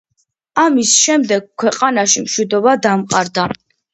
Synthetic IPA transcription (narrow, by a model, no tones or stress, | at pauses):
amisʃɛmd̪ɛɡ̥̚kʰwɛqʼanaʃimʃwid̪ɔbad̪amqʼaɾd̪a